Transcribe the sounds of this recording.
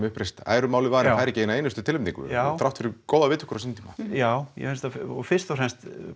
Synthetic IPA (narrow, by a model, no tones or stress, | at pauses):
mʏhpɾejst̪a̰ːjɾʏmaːwlɪvaːɾɪajɾɛcɪejnaejnʏst̪ʏt̪ɪlvɪmt̪iŋkʏ̰t̪ʰɾawft̪fɪɾɪkowðavɪːt̪ʰʏ̥hkʏɾasinnt̪ʰiːmajaːwjɛ̰hʏnst̪aɔfɪr̥st̪ɔfrɾɛnst̪